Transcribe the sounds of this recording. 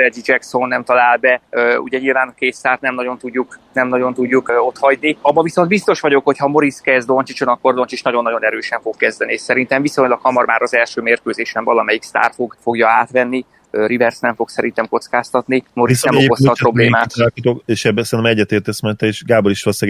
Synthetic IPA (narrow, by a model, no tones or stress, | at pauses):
ɛd͡ʒid͡ʒɛkso̞nːɛmt̪ɒlaːlbɛøṵɟɛɲilvaːnɒkeːt̪saːrt̪nɛmnɒɟo̞nt̪uɟːuknɛmnɒɟo̞nt̪uɟːuko̞t̪hɒɟniɒbːɒviso̞nd̪bist̪o̞ʃʋɒɟo̞kho̞chɒmo̞ɾiskɛzd̪o̞nt͡ʃit͡ʃonɒkːo̞rd̪o̞nt͡ʃit͡ʃnɒɟo̞nːɒɟo̞nɛɾøːʃɛɱfo̞kːɛzd̪ɛnieʃsɛɾint̪ɛɱviso̞ɲlɒkhɒmɒrmaːɾɒzɛlʃøːmeːrkøːzeːʃɛɱvɒlɒmɛjikst̪a̰ːrfo̞ɡfo̞ɡjɒaːt̪ʋɛnːi | ɾivɛrsnɛɱfo̞ksɛɾint̪ɛmko̞t̪skaːst̪ɒt̪nimo̞ɾisnɛmokosɒpro̞bleːmaːt̪akit̪okeʃɛbɛsɛɾinɛmɛɟːɛt̪eːrt̪ɛsmɛnt̪ɛeʃɡaːboliʃt̪ɒlsɛɡ